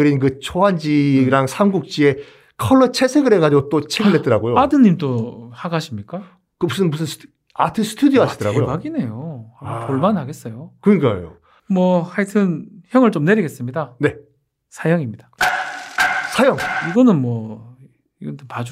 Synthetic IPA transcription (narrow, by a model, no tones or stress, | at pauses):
ɯɾinkɯt͡ɕʰoɦand͡ʑiɾaŋsʰamɡuk̚t͡ɕ͈ie̞ | kʰʌɭːʌt͡ɕʰe̞sʰeɡɯɾeɡad͡ʑiɡot͈ot͡ɕʰeɡiɭɦet͈ʌɾaɡojoadɯnːimt͈ohaɡaɕʰimɲik͈a | kɯbusʰɯnbusʰɯns | atʰɯsʰɯ̥tʰudioɦaidʌɾa̰ɡojoɡaɡine̞johaopoɭmanɦhaɡe̞s͈ʌjokɯɲik͈a̰jo̰ | mwʌhaitʰɯnçjʌŋɯɭt͡ɕomne̞ɾiɡe̞s͈ɯmɲidane̞ | sʰajʌŋimɲidḁ | sʰajʌŋiɡʌnɯnmwʌ | iɡʌtopad͡ʑ